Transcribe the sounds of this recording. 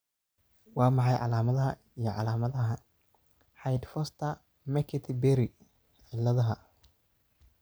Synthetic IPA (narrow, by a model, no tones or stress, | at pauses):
wɑːmɑħɑjʕɑ̰laːmɐðɐɦɐ | ijɞʕɑlaːmɐðɐɦɐ | ħɑjd̪fɔst̪ʰɐ | mɛkʰɪt̪ʰɪbɛɾi | ħɪlːɐðɐɦɐ